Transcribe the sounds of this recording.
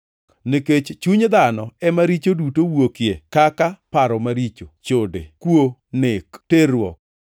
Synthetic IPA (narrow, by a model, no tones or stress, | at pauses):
niket͡ʃt͡ʃuɲd̪anɔɛmaɾit͡ʃodutowokjekakapaɾɔmaɾit͡ʃot͡ʃodḛkwonɪkteɾwɔk̚